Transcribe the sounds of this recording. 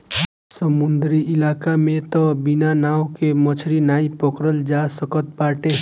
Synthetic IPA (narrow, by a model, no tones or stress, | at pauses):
səmʊnd̪ɾiɪlaːkamẽt̪ɔbinanaːwkemət͡ʃʰɾinaːipəkɾəld͡ʒasəkət̪̚baːʈẽ